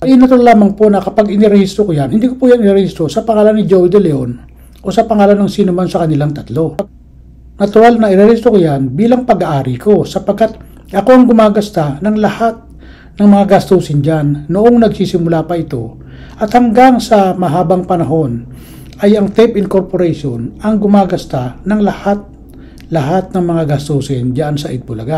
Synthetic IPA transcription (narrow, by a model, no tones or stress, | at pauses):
ʔɪnɐt̪ʊɾlaːmɐŋpo̞nɐkɐpaɡɪnɪɾɛhist̪ɾokojanhɪnd̪iːkopuːjanɪɛɾɛhist̪ɾo̞sɐpɐŋaːlɐnːɪd͡ʒowd̪ɛlɛon | ʔo̞sɐpɐŋaːlɐnɐŋsiːnomansɐkɐnɪlaŋt̪ɐt̪lo̞ | nɐt̪ʊɾalnɐɪɾɛɾhɪst̪ɾokojanbiːlɐŋpɐɡaʔaːɾɪko̞sɐpɐɡ̚kːat̪̚ | ʔɐko̞ɐŋɡʊmaːɡɐst̪anɐŋlɐhat̪̚ | nɐŋmɐŋaɡɐst̪usɪnd͡ʒanːoʔoŋnɐɡsiːsɪmʊlapɐɪt̪o̞̰ | ʔɐt̪hɐŋɡaŋsɐmɐɦaːbɐŋpɐnɐɦo̞n | ʔɐjɐŋt̪ɛpɪnko̞ɾpoɾɛjʃonɐŋɡʊmaːɡɐst̪anɐŋlɐhat̪̚ | lɐɦat̪̚nɐŋmɐŋaɡɐst̪usɪnd͡ʒaʔansɐʔɪt̪̚bʊlɐɡa